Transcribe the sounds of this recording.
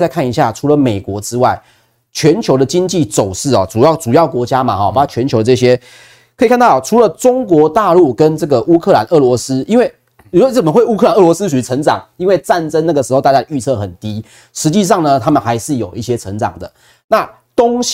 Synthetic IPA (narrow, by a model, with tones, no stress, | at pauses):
a˥ɪkʰa˥˩ni˧ɕja˥˩ʈ͡ʂʰu˧˥lə˨me˨˩ɪkwɔ˧˥ʈ͡ʂɻ̩˥wa˥˩ɪ | t͡ɕʰɥɛ˧˦˥nt͡ɕʰjo˧˥ʊd̪ə˨t͡ɕi˥ŋt͡ɕi˥˩t͡so˨˩ʊʂɻ̩˥˩ɔ˨˩t͡su˨˩jɑ˥˩ʊʈ͡ʂu˨˩jɑ˥˩ʊkwɔ˧˥t͡ɕja˥ma̰˨xɔ˩pa˨˩a˥˩t͡ɕʰɥɛ˧˦nt͡ɕʰo˧˥ʊə˧ʈ͡ʂɤ˥˧˩ɕ̬jɛ˦˥ | kʰə˧˥i˨kʰa˥˩nt̪ɑ˥˩˨ʈ͡ʂʰu˧˥lə˨ʈ͡ʂʊ˦˥ŋkwɔ˧˥˦t̪a˥˧lu˥˩kə˦nʈ͡ʂɤ˥˩ɡə˩ʔu˥kʰɤ˥˩la˨˦nɤ˥˩lwɔ˧˥sɹ̩˦˥i˥nwe˥˩ɪ˨˩ | ɔ˦˥t͡sə˨˩mə˦xwe˥˩ɪu˥kʰə˥˩a˨˩nɤ˥˩wɔ˧˦sɹ̩˥ʂʰu˨˩y˧˥t͡sʰə˧˥ŋt͡sɑ̰˨˩˦ŋi˥nwe˥˧ɪt͡sa˥˨nt͡sə˦˥na˥˩ɡə˩ʂɻ̩˧˥o˥˧ʊt̪a˥˧t͡ɕja˥˧ə˨˩y˥˧t͡sʰɤ˥˩xə˨˩nt̪i˦ | ʂɻ̩˧˥t͡ɕi˥˧ʂ̬ɑ˥˩ŋnə˨t̪ʰa˥mə˨nxa˧˥ɪʂɻ̩˥˩jo˨˩ʊʔi˥˩ɕjɛ˥t͡sʰə˧˥ŋt͡sɑ̰˨˩ŋd̪ə˩˦ | na˥˨ | t̪oʊ˥ŋ